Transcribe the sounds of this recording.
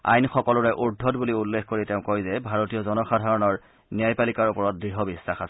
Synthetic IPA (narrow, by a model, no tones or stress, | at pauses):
a̰jnxɔkɔlɔɹɛʔuɹdʱɔtbuliulːexkoɹiteʊ̃kojzɛbʱaɹotijɔzɔnɔxadʱaɹɔnɔɹ | niajpalikaɹupɔɹɔt̚dɹiɦɔbisːaxasɛ